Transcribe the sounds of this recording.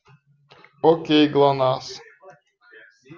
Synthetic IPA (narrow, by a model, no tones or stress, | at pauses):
ɔkejɡlˠanaːs